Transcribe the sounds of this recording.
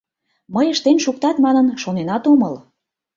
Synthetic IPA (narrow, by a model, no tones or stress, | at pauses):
məjəʃt̪enʃuk̚t̪ɑt̪mɑnənʃonenɑt̪oməl